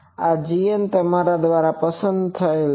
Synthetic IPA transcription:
ad͡ʒiənt̪əmaɾad̪ʋaɾapəsə̃nd̪t̪ʰəel

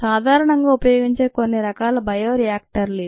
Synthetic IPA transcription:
saːd̪ʱaːɾɐɳɐŋɡaːupɐjoːɡiɲt͡ʃe̞ːko̞nːiɾɐkaːlɐbʱɐjoːɾijaːk̚ʈɐɾle

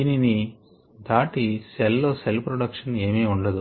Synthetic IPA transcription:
inini | d̪aːʈisɛlːoːselpɾoɽɐkʂɐne̞ːmeːuɳɖɐd̪u

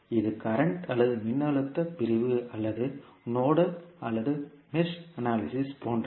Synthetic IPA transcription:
ɪðɯkɐɾɐɳʈɐlːɐðɯmɪnːɐɭɯt̪ːɐpɪɾɪʋɯʔɐlːɐðɯ | noːɽɐɐlːɐðɯ | mɪsɐnaːlɪsɪspoːndrɐ

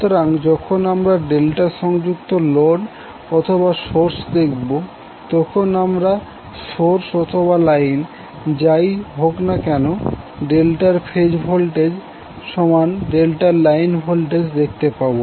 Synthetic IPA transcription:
t̪oɾaŋd͡ʑɔkʰonamɾaɖelʈaɾʃɔŋd͡ʑukt̪oloɖ | ɔt̪ʰoβaʃoɾsd̪ek̚ʰbo | t̪ɔkʰonamɾa | ʃoɾsɔt̪ʰoβalajn | d͡ʑajɦoknakɛnoɖelʈaɾfʰed͡ʑbʱɔlʈed͡ʑ | ʃɔmanɖelʈaɾlajnbʱɔlʈed͡ʑd̪ek̚ʰt̪epabo

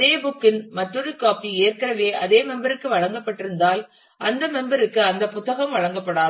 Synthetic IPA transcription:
eːbʊkːɪnmɐʈːɔðɯkːaːpieːrkɐɾɐʋeːʔɐðeːmɛmbɐɾɯkːɯʋɐɻɐŋɡɐpːɐʈːɪɾɯnd̪aːl | ʔɐnd̪ɐmɛmbɐɾɯkːɯɐnd̪ɐpʊt̪ːɐɣɐmʋɐɻɐŋɡɐpːɐɽaː

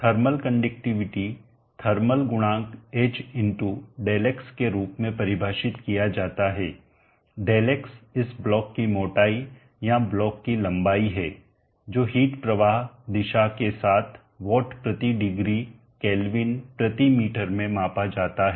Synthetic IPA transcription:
t̪ʰəɾməlkɐ̃ɳɖɪk̚ʈɪʋɪʈi | t̪ʰɐɾməlɡʊɽ̃ãːkeːt͡ʃɪ̃ɳʈuɖeːlekskeɾuːpmẽpɐɾɪbʱaːʃɪt̪kijad͡ʒaːt̪aɦɛː | ɖeːlɛksɪsblɔːkːimoːʈaːi | jablɔːkːilɐ̃mbaːiɦɛː | d͡ʒoːɦiːʈpɾɐʋaːɦd̪ɪʃakesaːt̪ʰ | ʋɔːʈpɾɐt̪iɖɪɡɾi | kɛːlʋɪnpɾɐt̪imiːʈəɾmẽmãːpad͡ʒaːt̪aɦɛː

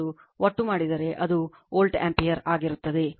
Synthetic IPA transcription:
u | ʔoʈːumaːɽid̪ɐɾe̞ʔɐd̪u | oːlʈḛmpijɐɾaːɡiɾut̪ːɐd̪e̞

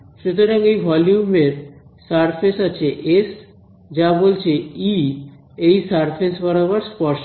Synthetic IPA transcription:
ʃut̪oɾaŋejbʱɔljumeɾsaɾpʰesat͡ɕʰeʔes | d͡ʑabolt͡ɕʰei | ejsaɾpʰesbaɾaβaɾspɔɾʃ

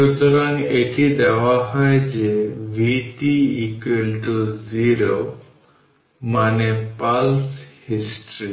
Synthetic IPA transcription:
ɾut̪ɔɾaŋeʈid̪ɛwaɦɔjd͡ʒebʱiʈiːkwelʈuziɾo | manepalshisʈɾi

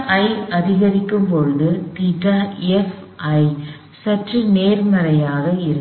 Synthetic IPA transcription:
ʔɐɪɐðɪɣɐɾɪkːɯmpɔɻɯðɯt̪iːʈːɐɛfʔɐɪ | sɐʈrɯneːɾmɐɾɐjaːɣɐɪɾɯ

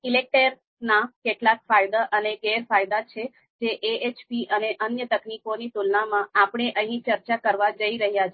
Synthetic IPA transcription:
ilek̚ʈəɾ | nakeʈlak̚fajd̪aʔəneɡeɾfajd̪at͡ʃʰe | d͡ʒeʔeet͡ʃpiʔəneʔənjət̪əknikonit̪ulnamãapɽ̃eʔəɦĩt͡ʃəɾt͡ʃakəɾʋad͡ʒəiɾəɦjat͡ʃʰe

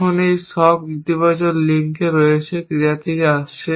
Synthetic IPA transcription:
onejʃɔbit̪ibat͡ɕonliŋkeɾoet͡ɕʰekiɾat̪ʰekeaʃt͡ɕʰe

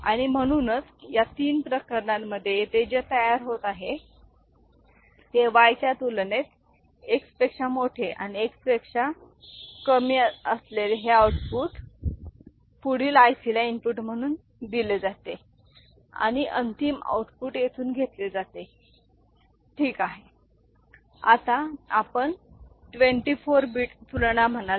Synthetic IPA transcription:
a̰ɽ̃im̤əɽ̃uːnət͡sjat̪iːnpɾəkəɾɳaməd̪ʱːjeet̪ed͡ʑet̪əjaɾɦot̪aɦe | heʋajt͡ɕjat̪ulnet̪ | ekspekʂamoʈʰeʔa̰ɽ̃iekspekʂa | kəmiːəəslelɦeauʈpuːʈ | fuɽ̤iːlajsiljainpuʈm̤əɽ̃uːn | d̪iled͡zat̪e | a̰ɽ̃iʔənt̪ima̰wʈpuːʈjet̪ʰuːnɡʱet̪led͡zat̪e | ʈʰiːkaɦe | a̰t̪aapəɳʈʋeɳʈifoɾbiːʈt̪ulɳ̃am̤əna

